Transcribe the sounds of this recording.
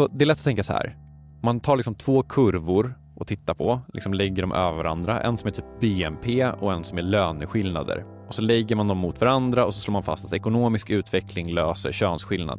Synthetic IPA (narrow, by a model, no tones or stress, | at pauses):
sɔd̪ɛɛɾlɛt̪ːɔt̪ʰɛŋkasɔhæ̰ːɾ | mant̪ʰɑːɾlɪksɔmt̪ʰv̥oːkʰɵɾvʊɾ | ʔɔt̪ʰɪt̪ːapʰɔlɪ̰ksɔmlɛɡːəɖɔmʔøːvəvaɾa̰nd̪ɾa̰ʔɛ̰nsɔmɛʈʰyːp̚beːɛmpʰeːɔɛnsɔmæɭøːnəɧɪlna̰d̪ə̰ɾ | ɔsɔlɛɡːəɾmand̪ɔmːʊt̪vaɾand̪ɾaɔsɔsloːmanfa̰st̪at̪ɛkʊnoːmɪskʉ̟ːt̪vɛkʰlɪŋløːsə̰ɾɕøːnsɧɪlna̰d̪